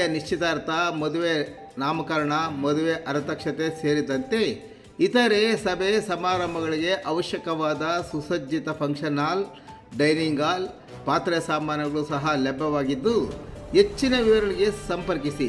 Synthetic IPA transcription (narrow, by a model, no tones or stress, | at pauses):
ɐniʃt͡ʃit̪ɐːɾt̪ʰɐmod̪uʋe | naːmɐkɐɾɐɳɐmɔd̪uʋeʔɐɾt̪ɐkʂɐt̪e̞se̞ːɾid̪ɐnt̪e̞ | it̪ɐɾe̞sɐbʱesɐmaːɾɐmbʱɐɡɐɭiɡe̞ʔɐʋɐʃjɐkɐʋaːd̪ɐsusɐd͡ʒːit̪ɐpʰɐŋkʂɐnaːl | ɖɐjniŋɡaːl | paːt̪ɾɐjɐsaːmaːnjɐɡɐɭusɐɦɐlebːɐʋaːɡid̪ːuet͡ʃːinɐʋiʋɐɾɐɭiɡe̞sɐmpɐɾkisi